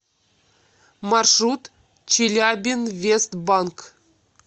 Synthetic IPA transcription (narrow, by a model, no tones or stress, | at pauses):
mɑrʂrut̪ | t͡ɕilʲabʲinvʲest̪bɑnk